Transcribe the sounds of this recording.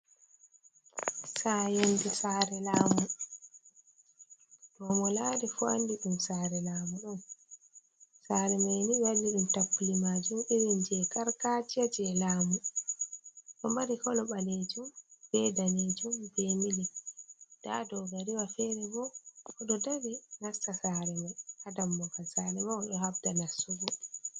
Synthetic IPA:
sajondisaːɾɛlaːmu | dɔmɔlaːɾifua̰ndiɗumsaːɾɛlaːmuɗɔn | saɾɛmajniwalːiɗumtapːulimaːd͡ʒumiɾind͡ʒɛkaɾkaːtiad͡ʒɛlaːmu | ɗɔmbaɾikɔlɔɓaled͡ʒumɡ̥ɛdaned͡ʒumbemilɛ | d̥a̰dɔɡaɾiwafɛnɛbɔɔɗɔdaɾinastasaɾɛmajʔadamːɔkasaɾɛmaɔɗɔhabdanasːuɡɔ

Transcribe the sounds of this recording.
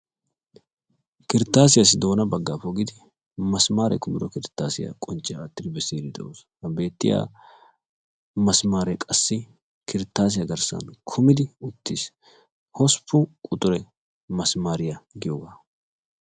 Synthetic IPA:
kɪɾɪt̪ːaːsɪjas̬ɪd̪o̞ːnɐbɐɡːaːpɔɡɪd̪ɪ | mɐsmaːɾɛ̰kʊmɪɾɔkɪɾɪt̪ːaːsɪjɐ̰kʼɔnt͡ʃːɪjaːt̪ːɪd̪ɪbɛsiːɾɪd̪ɛʔoːshɐbe̞ːt̪ːɪja̰ː | mɐsmaːɾɛkʼɐsːɪ | kʰɪɾɪt̪ːaːs̬ɪjɐɡɐɾsɐ̰nkʰʊmɪd̪ɪʊt̪ːis | hɔspʰːʊkʼʊt̪ʼʊɾɛ | mɐsmaːɾɪjɐɡɪjoːɡaː

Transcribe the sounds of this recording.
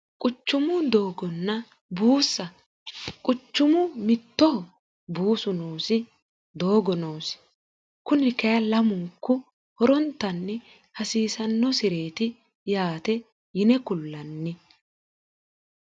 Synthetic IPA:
kʼʊt͡ʃːʊmʊd̪o̞ːɡɔnːɐ | buːsːɐ | kʼʊt͡ʃːʊmʊmɪt̪ːɔ | buːsʊnoːsɪ | d̪o̞ːɡɔnoːsɪ̥ | kʊnɪkɐjɐlɐmʊŋkːʊ | hɔɾɔnt̪ːɐnːɪ | hɐsiːsɐnːɔsɪɾeːt̪ɪ | jaːt̪ɛ | jɪnɛkʊlːɐnːɪ

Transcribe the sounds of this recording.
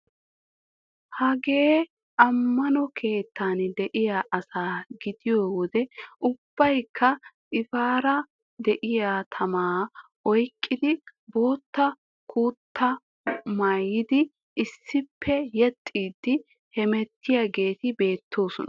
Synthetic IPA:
hɐɡe̞ː | ʔɐmːɐnɔkʰe̞ːt̪ːaːnd̪ɛʔɪjaʔɐsaːɡɪd̪ɪjoːwɔd̪ɛʔʊb̥ːɐjkʰːɐ | ʔɪfaːɾɐ | d̪ɛʔɪjaːt̪ʰɐmaːʔɔjkʼːɪd̪ɪbo̞ːt̪ːɐ | kuːt̪ːɐ | maːjɪd̪ɪ | ɪsːɪpʰːɛjɛt̪ʼːiːd̪ːɪ | hɛmɛt̪ːɪjaɡe̞ːt̪ɪbe̞ːt̪ʰːo̞ːsɔnɐ

